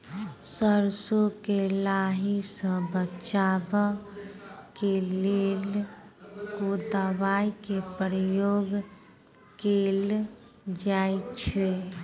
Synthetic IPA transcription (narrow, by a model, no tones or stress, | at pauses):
səɾsokelaɦisə̃bət͡ʃabə | kelel | kod̪əbaikepɾəjoɡ | kel | d͡ʒajt͡ʃʰe